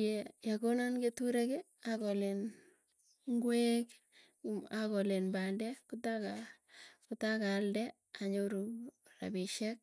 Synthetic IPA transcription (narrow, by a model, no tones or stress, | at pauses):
jejakonanketuɾeke | akɔlen | ŋɡwek | akolenbaldɛkutaka | kʊtakaldɛ | aɲoɾu | ra̰biʃɛk̚